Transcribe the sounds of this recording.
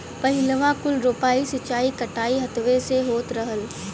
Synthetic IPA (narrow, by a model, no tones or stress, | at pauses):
pɐɦɪləʋãkʊlɾoːpaːisɐt͡ʃaːikɐʈaːiɦɐt̪ʋeseɦoːt̪ɾɐɦəl